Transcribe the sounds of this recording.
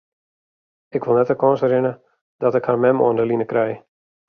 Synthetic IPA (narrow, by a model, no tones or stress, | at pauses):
ɪkʋolˠnɛtəkɔ̃ːnsəɾɪnə | dɔtɪkharmɛmo̰əndəlinəkɾɛj